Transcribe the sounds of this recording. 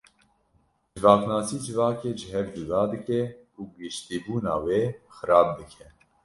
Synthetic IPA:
d͡ʒɨvɑːknɑːsiːd͡ʒɨvɑːkeːʒəɦɛvd͡ʒud̪ɑːd̪ɨkɛkʰuɡɨʃt̪iːbuːnɑ̰ːweːxɨɾɑːb̚d̪ɨkʰɛ

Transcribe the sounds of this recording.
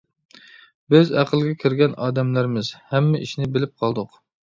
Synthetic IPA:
bɪzæqəlˠɡʲɛkʲʰiɾɡʲɛnɑːd̪ɛmlæɾmɪz̥hɛmːɛʔiʃnɪbɪlɪp̚qʰɑlˠd̪ʊq

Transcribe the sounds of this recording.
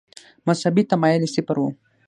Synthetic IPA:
mɐshɐbit̪ɐmajelisipɐɾu

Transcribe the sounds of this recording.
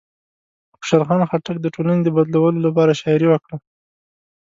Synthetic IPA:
pə̥ʃaɾxɑnxaʈak̚d̪əʈolaned̪əbad̪lawəlolapɑɾaʃɑɪɾiwəkɽa

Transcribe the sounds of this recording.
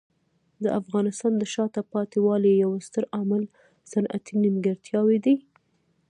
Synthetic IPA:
d̪əʔafɣɑnɪst̪ɑnd̪əʃɑt̪apɑt̪iwɑlejawst̪əɾamal | sanʔa̰t̪inɪmɡaɾt̪jɑwed̪i

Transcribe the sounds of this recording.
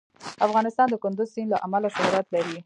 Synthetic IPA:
afɣɑnɪst̪ɑnd̪əkʊnd̪ʊzsinlaʔamalaʃʊɦɾat̪laɾi

